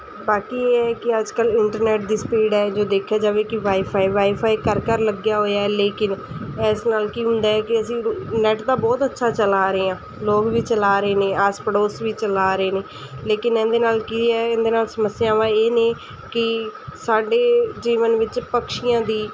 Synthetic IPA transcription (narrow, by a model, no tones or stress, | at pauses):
baːkiːeːɛːkɪəd͡ʒkəlɪɳʈəɾnɛːʈ̚d̪iːspiːɖɛːd͡ʒoːd̪eːkʰːjaːd͡ʒaːʋẽːkɪʋaːipʰaːiːʋaːipʰaːikəɾkəɾləɡjaːɦoːjaːɛːleːkɪn | ɛːsnaːlkiːɦʊ̃nd̪aːɛːkɪəsĩːnɛːʈd̪aːbɔːt̪ətːʃʰaːt͡ʃəlaːɾəeːãː | loːkʋiːt͡ʃəlaːɾəeːneːaːspəɽoːsʋiːt͡ʃəlaːɾəeːneː | leːkɪnɛ̃nd̪eːnaːlkiːɛːɪ̃nd̪eːnaːlsəməsɪjãːʋãːeːneː | kɪsaːɖeːd͡ʒiːʋənʋɪt͡ʃpəkʃɪjãːd̪iː